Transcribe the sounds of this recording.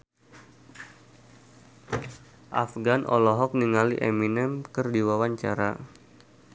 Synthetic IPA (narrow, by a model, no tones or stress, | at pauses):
ʔa̰fɡanʔɔ̰lɔɦɔk̚niŋaliʔeminɛmkərdiwawaɲt͡ʃaɾa̰